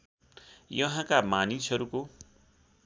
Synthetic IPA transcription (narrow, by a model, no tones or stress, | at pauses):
jʌɦãkamanisʌɾuko